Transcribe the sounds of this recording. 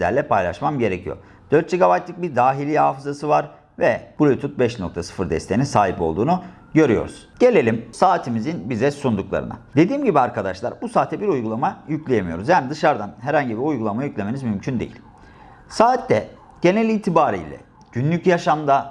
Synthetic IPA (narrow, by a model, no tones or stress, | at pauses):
izlʲæ̰ɾlʲɛpʰajlˠa̰ʃmamɟe̞ɾecʰḭjo̞̰ | d̪̥øɾt̪̚d͡ʒiɡaβajt̪lʲˠik̚biɾd̪aːɦilʲihaːfɯzasɯvaɾ | vɛb̥ulʲut̪ʰut̪̚bɛʃnok̚t̪ʰasɯ̥fɯɾd̪ɛ̰st̪ʰejininsaːɦipo̞lˠd̪uːnu | ɟø̞ɾyjo̰ɾṵz̥ɟ̥e̞lʲe̞lʲimsaːt̪ʰimizinbizɛsund̪uklˠa̰ɾɯ̰na̰d̪e̞d̪iːmɟibiaɾkad̪aʃlˠa̰ɾbusaːt̪ʰːɛbiɾujɡulˠamajyclʲejemijo̞ɾuzjaːnid̪ɯʃaɾd̪anɦɛɾhaɲɟibiujɡulˠamajyclʲe̞me̞nizmymcʰynd̪e̞̰jḭlʲ | saːt̪ːɛ | ɟ̥e̞nɛlʲiːt̪ʰibaːɾḭjlʲɛ̰ | ɟ̥ynlʲycjaʃamd̪a